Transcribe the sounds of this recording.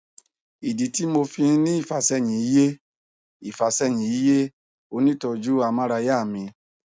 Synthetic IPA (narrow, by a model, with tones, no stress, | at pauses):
i˨di˨˦ti˦mo˧fĩ˧˦nĩ˦i˦˨fa˨sɛ˧˨j̃ĩ˨i˨˦je˦ | i˨fa˨sɛ˧˨j̃ĩ˨i˨˦je˦ | o˧nĩ˦tɔ˧d͡ʒu˦a˧mã˦ɾa˧ja˦˨mĩ˧